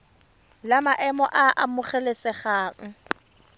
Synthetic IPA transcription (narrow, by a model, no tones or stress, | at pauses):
lamaʔɛmɔ̰ʔaʔamʊχɛlesɛχaːŋ̩